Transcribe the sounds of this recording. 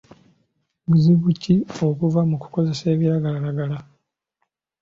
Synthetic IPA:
buziβucːio̞kuvamuku̥ko̞ze̞se̞ːβiɾaɡalalaɡala

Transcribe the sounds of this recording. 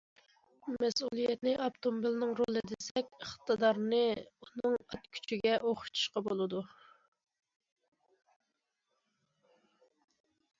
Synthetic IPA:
mɛsulˠijɛt̪nɪʔɑpt̪ʰomobilnɨŋɾolˠɨd̪esɛkʲəχt̪ʰɨd̪ɑɾnɨunɨŋɑt̪kʲʰy̥t͡ʃʰiɡʲɛʔoχʰʊ̥t̪ʰu̥ʃqɑbolˠɨd̪u

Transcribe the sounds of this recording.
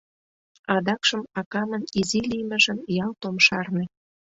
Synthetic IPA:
ɑd̪ɑkʃə̆mɑkɑmə̆nizilimə̆ʒə̆njɑlt̪omʃɑrnĕ

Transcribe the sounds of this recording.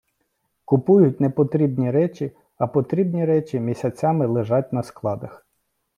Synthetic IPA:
kʊpujʊtʲnepɔt̪ɾʲibnʲiɾɛt͡ʃʲi | ɐpɔt̪ɾʲibnʲiɾɛt͡ʃʲimʲisʲɐt͡sʲamɪlˠeʒɑt̚ʲnɐsklˠɑd̪ɐx

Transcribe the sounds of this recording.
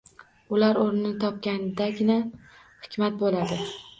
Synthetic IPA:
ʊlaɾoɾnɪɪt̪ʰɒp̚kʲanɪd̪aɡʲɪna | hɪkʲʰmat̪̚bolad̪ɪ

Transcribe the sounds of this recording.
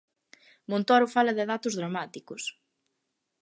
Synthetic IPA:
mõnt̪oɾʊfalɐðɪðat̪ʊzðɾamat̪ikʊs

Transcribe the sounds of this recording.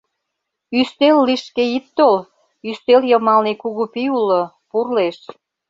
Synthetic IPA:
yst̪elːiʃkeit̪ːol | yst̪eljəmɑlnekuɣupiulːo | purleʃ

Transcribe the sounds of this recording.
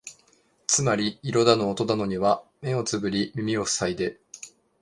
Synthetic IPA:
t͡sɨmaɾʲiːɾo̞d̪ano̞ːt̪o̞d̪ano̞ɲ̟iβame̞o̞t͡sɨbɯ̟ɾʲimʲimʲio̞sɨ̥said̪e̞

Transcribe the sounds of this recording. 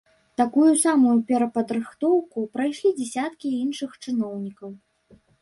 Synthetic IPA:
t̪akujusamujupʲɛɾɐpɐd̪ɾɨxt̪ɔwkupɾajʂlʲid͡zʲɛsʲat̪kʲiinʂɨxt͡ʂɨnɔwnʲikɐw

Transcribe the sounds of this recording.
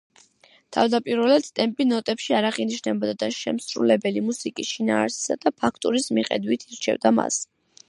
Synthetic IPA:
t̪ʰa̰vd̪apʼiɾvɛlat̪st̪ʼɛmpʼinɔt̪ʼɛpʃiaɾaχiniʃnɛbɔd̪ad̪aʃɛ̰msɾṵlɛbɛlimusikʼisʃinaːɾsi̥sad̪̥apʰakʰt̪ʼuɾismiχʼɛ̰d̪wit̪ʰiɾt͡ʃʰɛ̰vd̪ama̰s

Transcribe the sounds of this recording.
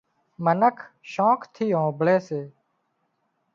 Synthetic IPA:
mənəkʰʃɔ̃ːkt̪ʰiːɦõːbɭeːseː

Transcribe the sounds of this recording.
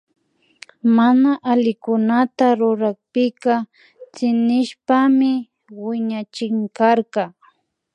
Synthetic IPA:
manaʔalɪkʊnat̪aɾʊɾak̚pɪka | t͡sɪnɪʃpamɪ | wɪɲat͡ʃɪŋkaɾkɑ

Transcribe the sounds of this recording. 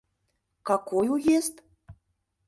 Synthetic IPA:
kɑkojujest̪

